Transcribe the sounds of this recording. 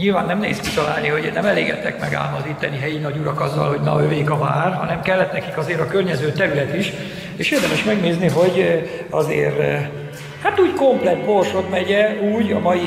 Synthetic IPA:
ɲilvaːnːɛmnḛːskit̪ɒla̰ːlniɦo̞ɟnɛmɛlḛːɡɛ̰t̪ːɛkmɛɡa̰ːlmɒzit̪ːɛniɦɛjinɒɟuɾɒkɒzːɒ̰lho̞ɟnɒ̰øveːkɒva̰ːrɦɒnɛmkɛlːɛt̪nɛkikɒzeːɾɒkørɲɛzøːt̪ɛɾylɛt̪iʃ | eːʃeːrd̪ɛmɛʃmɛɡneːzniɦo̞ɟ | ɒzḛːɾ | hat̪uːɟko̞mplɛt̪̚ːborʃot̪mɛɟɛuːɟɒ̰mɒji

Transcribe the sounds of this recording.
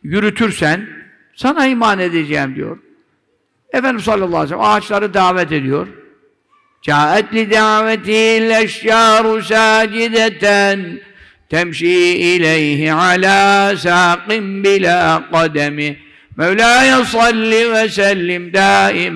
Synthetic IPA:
jyɾyt̪ʰyɾsæn | sɑnaimaːned̪ed͡ʒɛːmd̪ḭjo̰ɾ | efɛnd̪imsˤɑlʲːɑlˠˤːɑːesɛl̰aːt͡ʃlˠaɾɯd̪aʕvɛt̪ed̪ijo̞ɾ | d͡ʒaːʔæt̪lid̪aʕvɛt̪ɪhlæʃjaːɾʊs̬aːd͡ʒɪd̪æt̪æn | t̪ʰæmʃiːɪlejɦɪʕalaːsaːqɪnbɪlaːqɑd̪ɛmɪ | mæwlaːjɑsɑlːivɛsælːɪmd̪aːʔɪm

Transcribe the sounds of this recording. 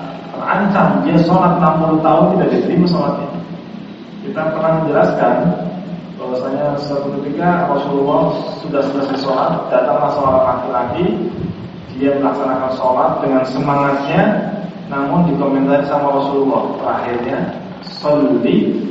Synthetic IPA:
t̪əra̰ɲt͡ʃamiasoɾat̪̚ːamp̪ulut̪aʊnt̪idaʔdit̪əɾimasoɾat̪̚i | kit̪apərnahməɲd͡ʒəlaskan | bawasaɲasəpət̪ut̪iɡarɔsululɔhsudahsələsisoɾat̪̚d̥at̪aŋlahsolaɾat̪̚lakilaɡi | diaməlaksanakansolat̪̚dəŋansəmaŋat̪̚ɲa | namʊndikoment̪asisamaɾɔsululɔht̪əɾaɦirɲa | sɔnduɾi

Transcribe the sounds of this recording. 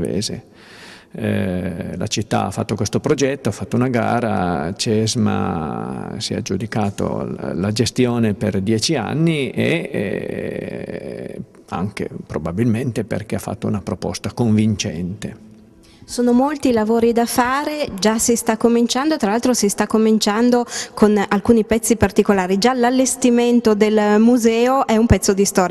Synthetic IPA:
vḛːzḛ | la̰t͡ʃit̪ːa̰a̰fːat̪ːokwest̪opɾod͡ʒɛt̪ːoafːat̪ːounaɡa̰ːɾat͡ʃɛzma̰ | sia̰d͡ʒud̪ikaːt̪o̰lad͡ʒest̪joːneperd̪jɛːt͡ʃia̰nːiḛ | a̰ŋk̟ḛpɾobabilment̪epḛrkeafːa̰t̪ːounapɾopɔ̰st̪akoɱvint͡ʃɛ̰nt̪e | soːnomolt̪ilavoːɾid̪afaːɾed͡ʒasist̪akːomint͡ʃand̪ot̪ɾalalt̪ɾosist̪akːomint͡ʃand̪okonalkuːnipɛt̪sːipart̪ikolaːɾid͡ʒalalːest̪iment̪od̪elmuzɛːoʔɛumpɛt̪sːod̪ist̪ɔːɾja

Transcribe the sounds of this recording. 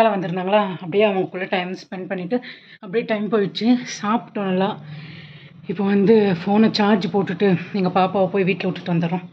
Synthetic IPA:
aːlɐʋɐnd̪ɯɾɯnd̪aːŋɡɐɭaːɐpːɐɽɪjaːɐʋɐŋɡɐkɯɭːɐʈɐɪmspɛɳɖpɐɳːɪʈːɯ | ɐpːɐɽijʈɐɪmpoːjɪt͡ʃːɯsaːpɯ̥ʈːonɐlːãː | ɪpːoːʋɐnd̪ɯfoːnɐt͡ʃaːɾd͡ʒpoːʈːɯʈːɯɛŋɡɐpaːpaːʋɐpoːjiʋiːʈlɛʊʈːɯ̥t̪ːɔnd̪ɐɾʊ̃

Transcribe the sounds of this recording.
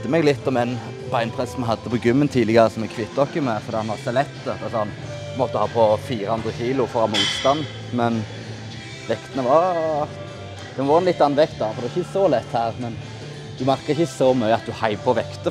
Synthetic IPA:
d̪əmɛɡlɪt̪ːɔmɛn | bɑɪnpʰʁɛsɔmɛɦɑd̪ːəpʰɔɡʉmːənt̪ʰiːlɪɡəɾəsɔmɛɡkʰʋɪt̪ːɔkːɪmɛfɔɾd̪ɛːhɑnɑsɛlɛkt̪ət̪ːɑsɔɑn | mɔt̪ːəhɑːpʰɔfiːɾəhʉnd̪ɾəçiːlʊfɔɾʁɑmuːt̪st̪ɑnː | mɛn | ʋɛkt̪ənəʋɑɾ | d̪̥ɛʋɔːɾɛnlɪt̪ːɑn̩ːʋɛkt̪̚d̪ɑfɔd̪ɛʋɪçəəsɔlɛt̪ːhæːʁmɛn | d̪ʉmæʁkɑɪçəsɔmœʏəɑt̪̚d̪ʉhɑɪʋpʰɔʋɛkt̪ə

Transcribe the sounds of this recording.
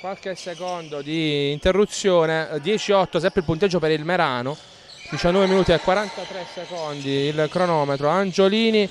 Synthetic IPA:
kwalkesːekond̪od̪iːnt̪erːut̪sːjoːned̪jɛːt͡ʃiɔt̪ːos̬ɛmpɾeilpunt̪ed͡ʒːopeɾilmeɾaːno | d̪it͡ʃanːɔːveminuːt̪iɛkːwaɾant̪at̪ɾesːekond̪iilkɾonɔːmet̪ɾoand͡ʒoliːni

